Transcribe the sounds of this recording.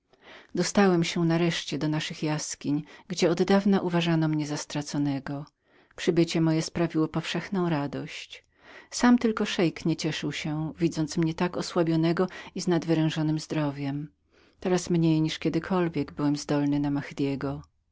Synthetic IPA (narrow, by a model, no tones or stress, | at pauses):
d̪ɔst̪awɛmɕɛnaɾɛʂt͡ɕɛd̪ɔnaʂɘxjaskʲiɲɡd͡ʑɛɔd̪d̪avnaʔuvaʐanɔmɲɛzast̪ɾat̪sɔnɛɡɔ | pʂɘbɘt͡ɕɛmɔjɛspɾavʲiwɔpɔfʂɛxnɔ̃w̃ɾad̪ɔɕt͡ɕ | samt̪ɘlkɔʂɛjkɲɛt͡ɕɛʂɘwɕɛvʲid̪zɔnt̪smɲɛt̪akɔswabʲjɔnɛɡɔiznad̪vɘɾɛ̃ʐɔnɘmzd̪ɾɔvʲjɛm | t̪ɛɾasmɲejɲiʂkʲɛd̪ɘkʰɔlvʲjɛɡbɘwɛmzd̪ɔlnɘnamaxd̪ʲjɛɡɔ